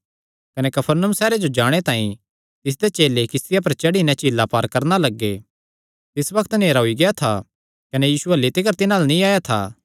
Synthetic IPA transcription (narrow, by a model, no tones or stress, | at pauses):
kɐnekɐpʰəɾnəmsɛːɾed͡ʒod͡ʒaːɽ̃et̪ãːĩ | t̪ɪs̬d̪et͡ʃeːlekɪst̪ɪjap̬ɐɾt͡ʃɐɽinɛ̃t͡ʃiːlːapaːɾkɐɾnalɐɡːḛ | t̪ɪsbɐkʰt̪neːɾaɦʊiɡɐjat̪ʰa̰ | kɐnejiːsuɐlːit̪ɪkəɾt̪ɪnãːlanĩaːjat̪ʰa̰ː